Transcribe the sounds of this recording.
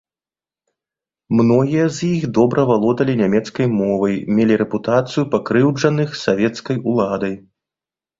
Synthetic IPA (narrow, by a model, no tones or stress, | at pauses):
mnɔɣʲijɐzjixd̪ɔbɾʔɐvalˠɔd̪ɐlʲinʲamʲɛt̪skɐjmɔvɐjmʲelʲiɾɛput̪at̪sɨjupakɾɨwd͡ʐɐnɨxsavʲɛt̪skɐjulˠad̪ɐj